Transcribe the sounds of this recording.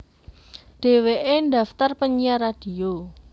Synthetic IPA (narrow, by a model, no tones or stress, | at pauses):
ɖ̥e̤weʔendä̤ft̪arpəɲijaɾad̥i̤o